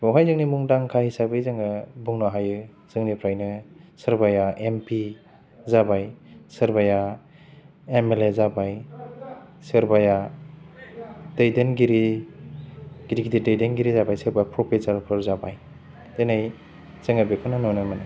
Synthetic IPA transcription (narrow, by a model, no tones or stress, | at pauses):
bɔwɦajzɯŋnimuŋdaŋkʰahisabɯjzɯŋɯbuŋnɔɦajɯ | z̥ɯŋnipʰɾajnɯsɯɾbajaʔempi | zabajsɯɾbaja | emelezabaj | sɯɾbaja | dejdenɡiɾi | ɡ̥iɾiɡididejdenɡiɾizabajsɯɾbajapʰɾɔpʰesaɾpʰɯɾzabaj | tenaj | z̥ɯŋɯbekʰɯnɯnɔnɯmanɯ